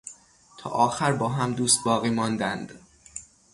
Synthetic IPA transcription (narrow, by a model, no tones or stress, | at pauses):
t̪ʰɒ̰ːʔɒːxæɾbɒːɦæmd̪uːst̪̚bɒːɣiːmɒːnd̪ænd̪̥